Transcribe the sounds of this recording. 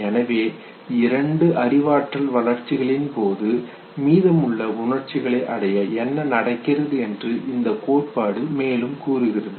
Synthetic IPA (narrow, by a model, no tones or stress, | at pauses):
ɛnɐʋeː | ɪɾɐɳɖɯʔɐɾɪʋaːʈrɐlʋɐlɐɾt͡ʃɪɣɐɭɪnpoːðɯ | miːðɐmɯɭːɐʊɳɐrt͡ʃɪɣɐɭɐɪʔɐɽɐjɐɛnːɐnɐɽɐkːɪrɐðɯɛndrɯʔɪnd̪ɐkoːʈ̚paːɽɯmeːlɯmkuːrɯɣɪrɐðɯ